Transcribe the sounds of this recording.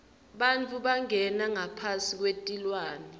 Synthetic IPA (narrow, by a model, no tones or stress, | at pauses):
ɓant͡fʰʼuɓaŋɛnaŋapʰasik̬wetʼilwaːnɛ